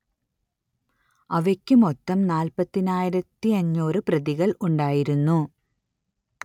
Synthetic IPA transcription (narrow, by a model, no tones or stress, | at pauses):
ɐʋekʲːɨmot̪ːɐmnaːlpɐt̪ːinaːjiɾɐt̪ːiɐɲːoːɾɨprɐðiɣɐɭuɳɖaːjiɾunːu